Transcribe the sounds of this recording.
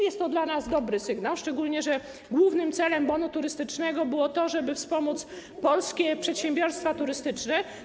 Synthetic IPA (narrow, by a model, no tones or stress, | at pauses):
jɛst̪ːɔd̪lanazd̪ɔbɾɘsɘɡnawʂt͡ʂɛɡulɲɛʐɛ | ɡwuvnɘmt̪sɛlɛmbɔnut̪uɾɘst̪ɘt͡ʂnɛɡɔbɘwɔt̪ɔʐɛbɘfspɔmut̪s | pɔlskʲɛpʂɛt̪ɕɛmbʲjɔɾst̪fat̪uɾɘst̪ɘt͡ʂnɛ